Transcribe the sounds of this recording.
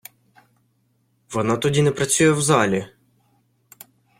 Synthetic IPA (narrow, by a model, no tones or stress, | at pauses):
ʋɔnɑt̪ɔdʲinɛpɾɐt͡sʲujɛwzɑlʲi